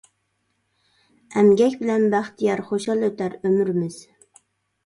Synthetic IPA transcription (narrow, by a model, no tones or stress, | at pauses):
ɛmɡʲɛkʲbɪlɛnbæχt̪ʰijɑɾχoʃɑlˠøt̪ʰæɾømyɾmɪz̥